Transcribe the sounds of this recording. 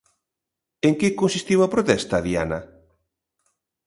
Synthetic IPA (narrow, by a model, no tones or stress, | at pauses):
eŋkɪkonsist̪iwɐpɾot̪ɛst̪ɐðia̰nɐ